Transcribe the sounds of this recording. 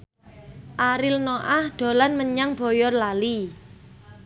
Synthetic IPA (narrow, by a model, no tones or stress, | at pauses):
ʔaɾɪlnoʔahɖ̥o̤lanməɲaŋb̥ɔ̤jɔrlali